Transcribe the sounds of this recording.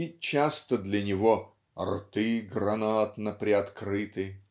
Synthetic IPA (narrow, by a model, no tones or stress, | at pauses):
it͡ɕast̪əd̪lʲɐnʲɪvo | rt̪ɨɡɾɐnat̪nəpɾʲɪɐt̪kɾɨt̪ɨ